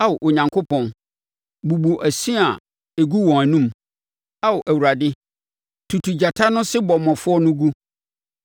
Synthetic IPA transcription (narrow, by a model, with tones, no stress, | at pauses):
a˦wʊ˨ʔo˨ɲã˨ŋkʰo˦pʰɔ̃˨n | bu˨bu˨ʔæ˨si˦a˨ | e˨ɡu˦wɔ̃˨ŋæ˨nũ˦m | a˦wʊ˨ʔæ˨wu˨ɾa˨dɪ˦ | tʰu˨tʰu˨d͡ʑa˨tʰa˦nʊ̃˦sɪ˦bɔ˨mɔ̃˨fʊ˦ɔ˦nʊ̃˦ɡu˦